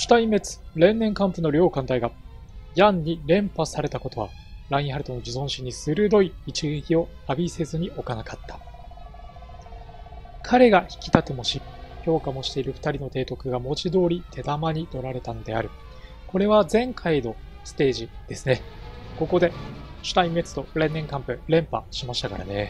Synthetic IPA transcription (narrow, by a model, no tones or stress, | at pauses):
ɕi̥t̪aime̞t͡sɨ̥ɾẽ̞nːẽ̞ŋkãmpɯ̟no̞ɾʲo̞ːkãnt̪aiɡa | jãnːiɾẽ̞mpasaɾe̞t̪ako̞t̪o̞βa | ɾaĩɦaɾɯ̟t̪o̞no̞d͡ʑizõ̞ɰ̃ɕiɲ̟ːisɨɾɯ̟d̪o̞iːt͡ɕiɡekʲio̞abʲise̞zɨɲ̟iʔo̞kanakḁt̪ːḁ | kʰaɾe̞ɡaçi̥kʲi̥t̪at̪e̞mo̞ɕi | ço̞ːkamo̞ɕi̥t̪e̞iɾɯ̟ɸɯ̟̥t̪aɾʲino̞t̪e̞ːt̪o̞kɯ̟ɡamo̞t͡ɕid̪o̞ːɾʲit̪ʰe̞d̪amaɲ̟it̪o̞ɾaɾe̞t̪ano̞d̪e̞aɾɯ̟ | ko̞ɾe̞βazẽ̞ŋkʰaino̞ | sɨ̥t̪e̞ːʑid̪̥e̞sɨne̞ | ko̞ko̞d̪e̞ɕɨ̥t̪aime̞t͡sɨ̥t̪o̞ɾẽ̞nːẽ̞ŋkãmpɯ̟ɾẽ̞mpa̰ɕimaɕi̥t̪aka̰ɾa̰ne̞